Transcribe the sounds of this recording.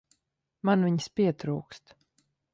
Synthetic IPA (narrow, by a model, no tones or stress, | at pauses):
manviɲspʲiɛt̪ɾuːkst̪